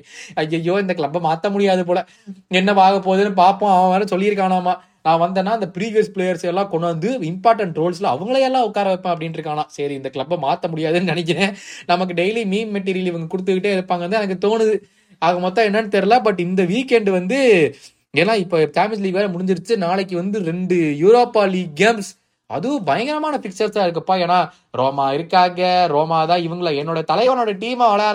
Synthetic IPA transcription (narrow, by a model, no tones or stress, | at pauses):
ɐjːɐjːoːɪnd̪ɐklɐbɐmaːt̪ːɐmʊɽɪjaːðɯpoːɭɛ | ɛnːɐʋaːɣɐp̬ːoːðɯnːɯp̬aːɾpõːɐʋɐ̃ʋɾɐ̃sɔlːɪjɪɾɯkːaːnaːmaː | nãːʋɐnd̪ɐːnːaːɪnd̪ɐpɪɾiːʋɪjɐɾspɪɭeːjɐɾsɛlːãːkɔɳɐnd̪ɯɪmpaːɾʈːɐɳʈɾoːlslɐɐ̰ʋɐŋɡɐɭɐɛlːãːʊkːaːɾɐʋɐpːẽːɐpːɐɽɪnɪɾɯkːaːnãːsɛɾiɪnd̪ɐkɭɐbɐmaːt̪ːɐmʊɽɪjaːðɯnːɯnɛnɛk̬ʲːɪnẽːnɐmɐk̬ːɯɖeɪlimiːmmɛʈ̬ːiːɾɪjɐlɪʋɐŋɡɐkʊɽɯt̪̬ːɯkːɪʈːeːɛɽɯpːaːŋɡɐɾɯnd̪aːɛnɐk̬ːɯt̪oːnɯðɯ | aːɣɐmɔt̪ːãɛnːɐnːɯt̪ɛɾɯlaːbɐʈ̬ːɪnd̪ɐʋiːkːɛɳɖɯʋɐnd̪ɯ | eːnːaːɪpːoːt̪aːmɪsliːʋeːɾɐmʊɽɪɲd͡ʒɪɾɯt͡ʃːɯnaːɭɐk̬ːɯʋɐnd̪ɯɾɛɳɖɯjuːɾoːpːaːliːɡeːms | ɐ̰ðɯʋʊ̃bɐjɐŋɡɐɾɐmaːnɐfɪkt͡ʃɐɾsaːɪɾɯkːɐpːoːeːnaː | ɾoːmaːɪɾɯkːaːɣɐɾoːmaːt̪ãːɪʋɐŋɡɐɭɛnːoːɽɐjɐt̪ɐlɐʋɐnːoːɽɐɐʈiːmãʋɐɭɐjaːɾ